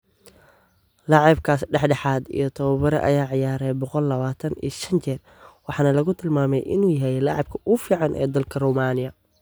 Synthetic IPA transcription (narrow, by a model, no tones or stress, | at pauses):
lɑʕɑb̚kʰaːsɖɛħɖɛħaːd̪ḭjɞt̪ʰɔβɐβɐɾɐ̰ʔɐ̰jaːʕɪjaːɾɛjbɔqɔlːɐβaːt̪ʰɐnḭːʃɐnt͡ʃɛːr | wɑħɑːnɐlɐɣʊt̪ʰɪlmaːmɛjʔɪ̰nuːjɐɦɛjlɑʕɑb̚kʰɐʔʊfiːʕɑnʔɛ̰ːd̪ɐlkʰɐrumaːnɪjɐ